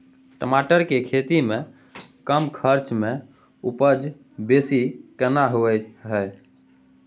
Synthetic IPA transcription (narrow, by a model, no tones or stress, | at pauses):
ʈəmaʈəɾkekʰet̪ime | kəmkʰəɾt͡ʃme | upəd͡ʒ | besikənaɦoɛɦəj